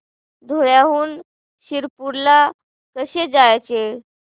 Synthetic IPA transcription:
d̪ʱoɭjaɦuːn | ɕiɾpuɾla | kəɕed͡zajt͡ɕe

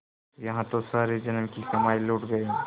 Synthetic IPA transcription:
jɐɦãt̪osaːɾed͡ʒɐnmkisɐmaːiluːʈɡɐeɦɛ̃

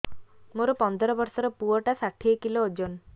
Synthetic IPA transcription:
moɾopɔnd̪ɔɾɔbɔɾsɔɾɔpuɔʈasaʈʰiekilod͡ʒon

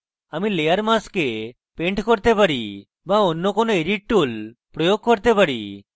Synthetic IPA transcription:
amilejaɾmaske | peɳʈkɔɾt̪epaɾi | baɔnːokɔnoeɾiʈʈulpɾɔjoɡ̚kɔɾt̪epaɾi

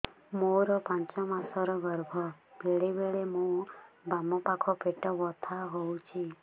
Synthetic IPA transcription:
moɾopãnt͡ʃɔmãsɔɾɔɡəɾbʱɔbeɭebeɭemũbamopakʰopeʈɔʋɔt̪ʰaɦoũt͡ʃʰi

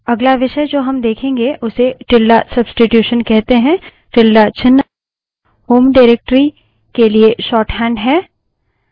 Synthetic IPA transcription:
ɐɡlaʋɪʃəjd͡ʒoːɦɐmd̪eːkʰẽːŋɡeʔʊseʈɪlːasɐbsʈɪʈjuːʃənkɛɦt̪eɦɛ̃ː | ʈɪlːat͡ʃʰɪnː | ɦoːmɖaɪɾeːk̚ʈɾi | kelieʃɔːʈɦɛ̃ːɳɖɦɛː

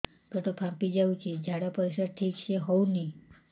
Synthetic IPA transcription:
kəʈ̪opʰãmpid͡ʒaũt͡ʃʰed͡ʒʱaɽapəɾeʃaɾʈʰikt͡ʃeɦɔũni

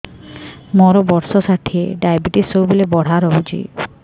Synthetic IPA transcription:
mɔɾobɔɾʃosaʈʰːieɖajbiʈisobilebɔɽ̤aɾoud͡ʑḭ

